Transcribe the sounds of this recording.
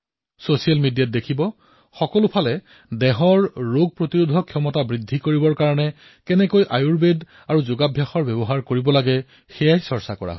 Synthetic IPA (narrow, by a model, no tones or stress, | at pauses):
sosialmidijat̚dekʰibɔ | xɔkɔlʊpʰalɛ | dɛɦɔɹːoɡ̚pɹotiɹudʱɔkʰiɔmɔtabɹidʱːikoɹibɔɹkaɹɔnɛ | kɛnɛkojʔajuɹbed | aɹuzʊɡabʱjaxɔɹbɛbɔɦaɹkoɹibɔlaɡɛ | xɛjajsɔɹsa̰kɔ̰ɹa̰ɦ